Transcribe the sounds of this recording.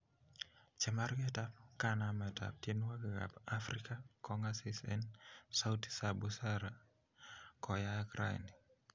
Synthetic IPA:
t͡ʃɛmarɡɛtap̚kanamɛta̰p̚tjenwakɪɡa̰pafɾikakɔŋasisɛnsawti̥sabusaɾa | kɔjakɾʔa̰j̰ni

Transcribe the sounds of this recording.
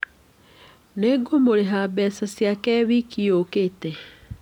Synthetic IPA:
neɡomoɾeɦabɛsasjakɛβikiokeːtɛ

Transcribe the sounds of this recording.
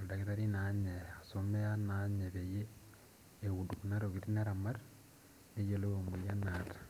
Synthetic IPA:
odaɣiɾaɾinaɲeasomeanaɲeβejeː | ɣudukunaɾoɣiɾinaɾamaɾ | nejeloomujanatḁ

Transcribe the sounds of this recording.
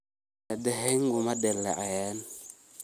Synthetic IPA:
adaɦeŋɡumadelːa̰ʔajan

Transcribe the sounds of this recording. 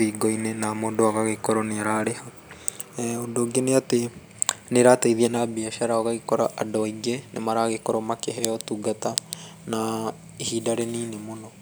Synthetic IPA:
iɡɔinenamodoaɣaɣekɔɾɔneaɾaɾeha | ondoːɡeneate | neɾataiðiɛnabiaʃaɾaɔɣaɣekɔɾaʔadɔiɡenʔḛmaɾaɣekɔɾɔmakeɦɛjɔtuɡatana | ehiːdaɾeniːnemonɔ

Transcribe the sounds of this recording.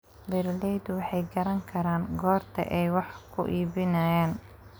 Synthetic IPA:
bɛɾlɛjd̪ʊwɑħɑjɡɐɾɐŋkʰɐɾaːŋɡɔːrt̪ʰɐ̰ʔɛjwɑħkʰʊ̰ʔiːbɪnɐːjaːn

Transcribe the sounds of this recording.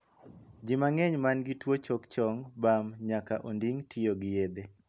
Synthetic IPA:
d͡ʒɪmaŋɛɲmanɡɪtwot͡ʃɔkt͡ʃɔŋbamɲakaʔondiŋtʰɪjoɡɪjed̪e

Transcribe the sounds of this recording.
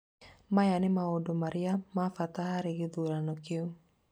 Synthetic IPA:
majanɪmaodomaɾɪamafat̪aɦaɾɪɡɪd̪uɾanɔkiu

